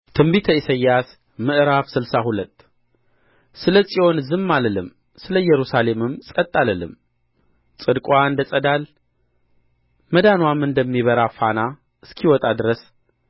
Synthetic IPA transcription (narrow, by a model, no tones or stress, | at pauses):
t̪ʰɨmbit̪ʰəisəjːas | mɨʔɾafsɨlsahulət̪ː | sɨləsʼio̞nzɨmːaləlɨm | sɨləjɛɾusale̞mɨmsʼət̪ʼːaləlɨ̰m | t͡sʼɨd̪kʼwʷand̪ət͡sʼəd̪al | məd̪anwamɨnd̪əmːiβəɾafana | ɨskʰiwɔt̪ʼad̪ɨɾəs